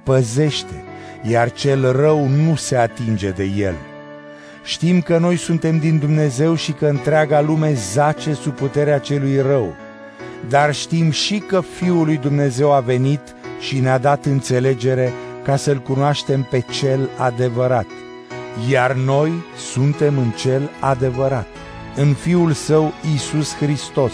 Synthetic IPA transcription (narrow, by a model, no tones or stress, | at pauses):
pəze̞ʃt̪e̞ | jart͡ʃe̞lrəwnuse̞at̪ind͡ʒe̞d̪e̞je̞̰l | ʃt̪imkəno̞jsunt̪e̞md̪ind̪umne̞ze̞wʃikəɨnt̪ɾeaɡalume̞zat͡ʃe̞suput̪e̞ɾeat͡ʃe̞lujrəw | d̪arʃt̪imʃikəfiulujd̪umne̞ze̞wave̞nit̪ʃinead̪at̪ɨnt̪se̞le̞d͡ʒe̞ɾe̞kasəɨlkunoaʃt̪e̞mpe̞t͡ʃe̞lad̪e̞vəɾat̪̚ | jarno̞j | sunt̪e̞mɨnt͡ʃe̞lad̪e̞vəɾat̪ | ɨnfiulsəwisuskɾist̪o̞s